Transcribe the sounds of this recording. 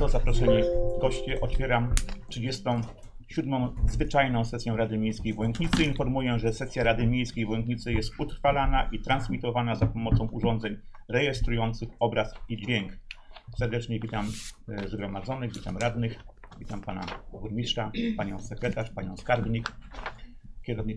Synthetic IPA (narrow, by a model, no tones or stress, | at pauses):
ɔzapɾɔʂɛɲʲiɡɔɕt͡ɕɛʔɔt̪fʲjɛɾamtʂɘd͡ʑɛst̪ɔ̃w̃ | ɕud̪mɔ̃w̃zvɘt͡ʂajnɔ̃w̃sɛsʲjɔ̃w̃ɾad̪ɘmʲjejskʲejvɔjnd̪ɲit̪sɘinfɔɾmujɛʐɛsɛsʲjaɾad̪ɘmʲjejskʲejvɔjɛnd̪ɲit̪sɘjɛst̪ut̪ɾfalanaʔit̪ɾansmʲit̪ɔvanazapɔmɔt̪sɔ̃w̃ʔuʐɔnd̪zɛɲɾɛjɛst̪ɾujɔnt̪sɘxɔbɾasid͡ʑvʲjɛŋksɛɾd̪ɛt͡ʂɲɛvʲit̪amzɡɾɔmad̪zɔnɘɣvʲit̪a̰mɾad̪nɘx | vʲit̪ampana̰buɾmʲitʂapaɲɔ̃w̃sɛkɾɛt̪aʂpaɲɔ̃w̃skaɾbɲik | kʲɛɾɔvɲ